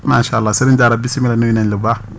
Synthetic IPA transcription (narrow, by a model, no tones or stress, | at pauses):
maːʃalːasɪɾɪnd͡ʒaːɾabisimilanujinanlɪba